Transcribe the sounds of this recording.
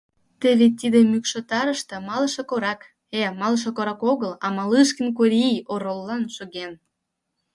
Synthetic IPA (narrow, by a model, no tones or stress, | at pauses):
t̪ə̆vʲet̪id̪ĕmykʃot̪ɑɾəʃt̪ɤ̆mɑləʃĕkoɾɑk | emɑləʃ̬ekoɾɑkoɣəlɑmɑlɨʃkə̆nk̬oɾʲijoɾolːɑnʃoɣen